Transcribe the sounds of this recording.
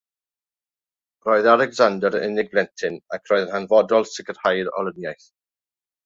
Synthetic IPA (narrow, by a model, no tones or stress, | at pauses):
rɔːɨðalɛɡzandəɾɪ̰nɪɡ̚blɛntʰɪnakʰrɔːjðənhanvɔdɔlˠsɪɡər̥hajɾɔ̰lənjajθ